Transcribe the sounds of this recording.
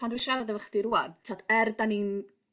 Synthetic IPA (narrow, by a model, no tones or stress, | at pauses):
andwɪʃaɾadəvəχd̥iɾuantʰatʰɛrdanin